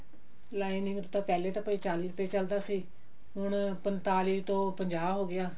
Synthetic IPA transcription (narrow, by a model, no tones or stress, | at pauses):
laːinɪ̃ŋɡɾt̪ãːpɛːleːt̪ãːpəiːt͡ʃaːliːɾʊpeːt͡ʃəld̪aːsiː | ɦʊɳpənt̪aːliːt̪õːpəɲd͡ʒaːbɦoːɡɪjaː